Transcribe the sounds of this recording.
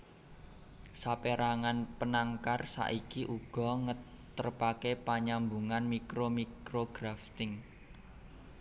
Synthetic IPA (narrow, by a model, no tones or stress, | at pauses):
sapeɾaŋanpənaŋkarsa̰ʔikiʔuɡ̥ɔ̤ŋə | t̪ərpakepaɲambuŋanmikɾomikɾoɡ̥ɾaft̪ɪŋ